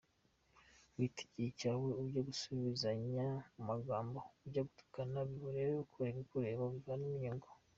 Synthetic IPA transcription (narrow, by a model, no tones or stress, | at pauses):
witi̥ɟicaweuɟaɡusuβizaɲaumaɡaːmbouɟaɡutu̥kanaβiβuɾeweβikʰuɾeβikuɾeːβoβiɡanimiɲoŋɡo